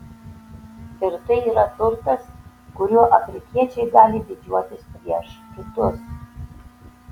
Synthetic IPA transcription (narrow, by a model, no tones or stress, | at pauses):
ɪrt̪ɨiːɾɐt̪ʊrt̪ɐs | kʊɾʲuɔʔɐfʲɾʲɪkʲiɛt͡ʃʰʲɛjɡaːlʲɪd̪ʲɪd͡ʒʲuɔt̪ʲɪspʲɾʲiɛʂkʲɪt̪ʊs